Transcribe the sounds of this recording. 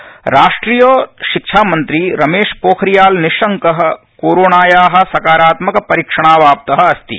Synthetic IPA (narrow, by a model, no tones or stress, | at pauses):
ɾaːʂʈɾiːjoːʃɪkʃʰaːmɐ̃nt̪ɾiɾɐmeːʃpoːkʰɾijaːlniʃɐŋkɐɦɐ̆ | koːɾoːnaːjaːɦɐ̆sɐkaːɾaːt̪mɐkɐpɐɾikʂɐɽ̃aːʋaːp̚t̪ɐɦɐ̆ɐst̪ḭ